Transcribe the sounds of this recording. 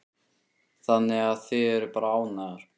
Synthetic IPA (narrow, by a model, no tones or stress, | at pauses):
θanːɪɣaðθɪðɛɾʏpaːɾaaːwnaɣaɾ̥